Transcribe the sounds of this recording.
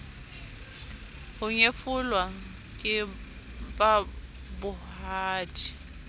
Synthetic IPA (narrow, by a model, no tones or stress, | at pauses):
hʊɲefʊlwa | kʼɪ | babʊhaːtʰʼi̥